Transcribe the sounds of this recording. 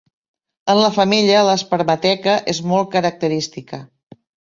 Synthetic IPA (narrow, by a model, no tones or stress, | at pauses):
ənləfəmiʎələspəɾmət̪ɛkəʔezmɔl̚ˠkəɾək̚t̪əɾist̪ikə